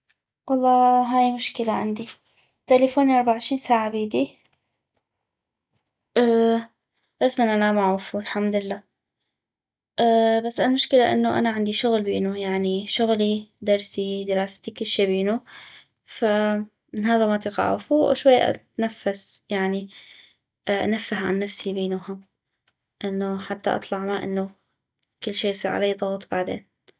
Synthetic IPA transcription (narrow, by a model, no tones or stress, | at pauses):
wɑlˤːɑːɦaːjmʊʃkɪlaʕɪnd̪i | t̪alefoːniʔɑɾˤbaʕɪʃɾiːnsaːʕabiːd̪i | ʔaː | basmanʔanamaʕuːfulħamd̪ɪlːaː | ʔbasːalmʊʃkɪlaʔɪ̰nːoʔa̰naʕɪnd̪iʃʊɣlbiːnujaʕniʃʊɣlid̪ɑɾˤsid̪əɾɑːst̪ikɪlːʃiːbiːnu | fa | mɪnɦaːðamat̪iqɑ̰ʕʊ̰fuʃwajːa̰ʔa̰t̪nafːasjaʕni | ʔʔa̰nafːaɦʕa̰nːafsibeːnahʊm | ʔɪnːoħat̪ːaʔɑ̰t̪ˤlɑʕmaʔɪ̰nːo | kɪlːʃiːjsˤiːɾʕa̰lajːðˤɑɣt̪ˤbaʕd̪ḛːn